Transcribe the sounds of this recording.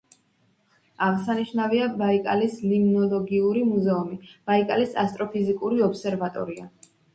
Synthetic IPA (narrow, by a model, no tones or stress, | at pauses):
aʁsaniʃnaviabaikʼa̰lislimnɔlˠɔɡiuɾimuzɛumib̥aikʼalisast̪ʼɾɔpʰizikʼuɾiɔpsɛɾvat̪ʼɔ̰ɾia